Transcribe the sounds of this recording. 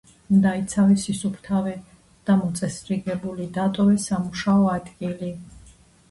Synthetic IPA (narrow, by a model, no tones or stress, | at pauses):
md̪ait̪sʰavɛsisupʰt̪ʰavɛ | d̪̥amɔt̪sʼɛsɾiɡɛbulid̪at̪ʼɔvɛsamuʃaɔad̪ɡʼili